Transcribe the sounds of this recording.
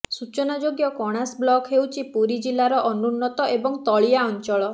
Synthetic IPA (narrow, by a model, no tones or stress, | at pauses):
sut͡ʃɔnad͡ʒoɡjɔkɔɽ̃asblɔkʰɦewt͡ʃʰipuɾid͡ʒilaɾɔʔɔnunːɔt̪ɔʔebɔŋt̪ɔɭijaɔnt͡ʃɔɭɔ